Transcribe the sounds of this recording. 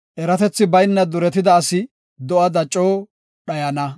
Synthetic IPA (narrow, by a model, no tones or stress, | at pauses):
ʔɛɾɐt̪ɛt͡sːɪbɐjnːɐd̪ʊɾɛt̪ɪd̪ɐːsɪ | d̪ɔʔɐd̪ɐt͡ʃʼːoː | ɗɐjɐnɐ